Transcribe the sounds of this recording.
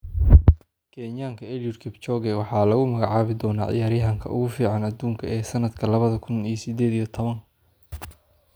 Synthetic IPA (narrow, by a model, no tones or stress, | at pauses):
kʰɛːɲjaːŋkʰɐɛljʊrkʰɪbt͡ʃɔːɡɛwɑħɑːlɐɣʊmɐɣɑʕɑːβɪd̪ɔːnaːʕɪ̰jaːɾjɐɦɐŋkʰɐ̰ʊ̰ɣʊfiːʕɑnɐd̪uːŋkʰɐɛːsɐnɐd̪kʰɐlɐβɐðɐkʰʊnisɪd̪ɛːd̪ijɔt̪ʰɔβɐŋ